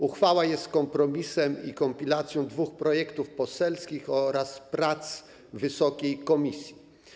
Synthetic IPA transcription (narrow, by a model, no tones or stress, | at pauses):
uxfawajɛst̪kɔmpɾɔmʲisɛmḭkɔmpʲilat̪sʲjɔ̃w̃d̪vuxpɾɔjɛkt̪ufpɔsɛlskʲixɔɾaspɾat̪s | vɘsɔkʲejkɔmʲisʲji